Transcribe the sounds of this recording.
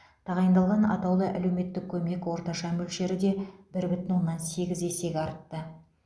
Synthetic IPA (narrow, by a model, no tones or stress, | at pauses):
t̪ʰɑʁɑjənd̪ɑlˠʁɑnɑ̰t̪ɑwlˠəʔæ̰le̞wme̞t̪ːɪk̚kʲʰɵme̞kwo̞ɾt̪ɑʃɑmɵlʃe̞ɾɪd̪e̞bɪɾbɪt̪ɪnwo̞nːɑnse̞ɡʲɪze̞se̞ɡʲɑɾət̪ːə